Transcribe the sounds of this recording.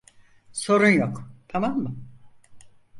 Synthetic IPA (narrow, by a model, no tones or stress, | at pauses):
so̞ɾunjokt̪ʰamamːɯ